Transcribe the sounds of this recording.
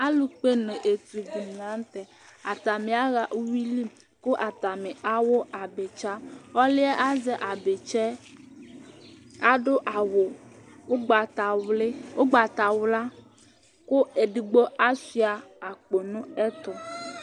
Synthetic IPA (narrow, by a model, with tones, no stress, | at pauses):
a˦lu˨k͡pe˦nẽ˨ʔe˨t̪u˨ɡu˨m˨ã˨˦n˦t̪ɛ˨ | a˨t̪a˨mẽ˨a˦ɣa˨ʔu˦wi˦li˦ | ko˦ʔa˨t̪a˨me˨ʔa˦wo˦a˨be˨t͡ʃa˦ɔ˦li˦ɛ˦ʔa˦ze˦ʔa˨be˨t͡ʃɛ˦ | a˦ɖo˦ʔa˨wo˨o˦ɡ͡ba˨t̪a˨we˦wo˦ɡ͡ba˨t̪a˨wo˨la˦ | ko˦e˨ɖi˨ɡ͡bo˦a˦si˦a˨a˨k͡po˨nũ˦e˦t̪ɔ˨